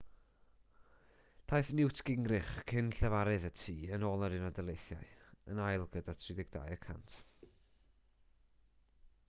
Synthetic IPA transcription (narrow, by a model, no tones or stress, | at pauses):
d̥ʰajθnɪwtʰɡ̥ɪŋrɨχkʰɪnɬɛvaɾɨðətʰiːənoːlˠəɾɪnɔdɛlˠejθja̰ɨənajlˠɡədatʰrɪdɪɡ̚da̰jəkʰa̰ntʰ